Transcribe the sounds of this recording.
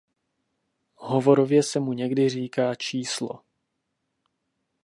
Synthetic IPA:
ɦovo̞ɾo̞vjɛsɛmuɲɛɡdɪr̝iːkaːt͡ʃiːslo̰

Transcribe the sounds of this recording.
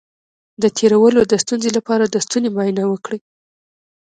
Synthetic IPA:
d̪ət̪ʰeɾawəlod̪əst̪unzelapɑɾad̪əst̪unemɑjnawəkɽi

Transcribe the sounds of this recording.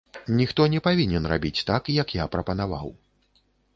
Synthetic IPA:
nʲixt̪ɔnʲɛpavʲinʲɛnra̰bʲit͡sʲt̪akjɐkjapɾɐpɐnava̰w

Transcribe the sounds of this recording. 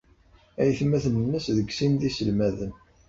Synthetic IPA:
æjθmæθnənːəsðəɡsinðisəlmæðən

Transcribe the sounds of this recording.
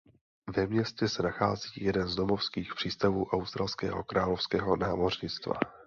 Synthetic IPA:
vɛmɲɛscɛsɛnaxaːziːjɛdɛnzdo̞mofskiːxpr̥iːst̪avuːʔawst̪ɾalskɛ̰ːɦo̞̰kɾʔaːlofskɛːɦo̞naːmo̞rɲɪt͡st̪va̰

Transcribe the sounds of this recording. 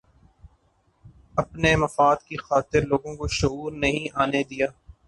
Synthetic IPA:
ɐpnemɐfaːd̪kixaːt̪ɪɾloːɡõkoʃʊuːɾnɐɦĩʔaːned̪ijaː

